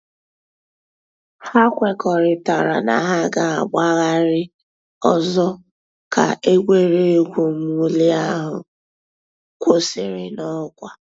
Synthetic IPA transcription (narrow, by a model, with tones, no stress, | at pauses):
ha˦kʷe˦kɔ˨ɾɪ˨ta˨ɾa̰˨na̰˨ɦa˦ɡa˦a˨ɡ͡ba˦ɣa˦ɾɪ˦ | ɔ˦zɔ˦ | ka̰˨ʔe˦ɡʷe˦ɾe˦e˦kʷu˨˦m˦u˦li˦a˦ɦʊ̰˨ | kʷo˦sɪ̰˦˨ɾɪ˦nɔ˦kʷa˨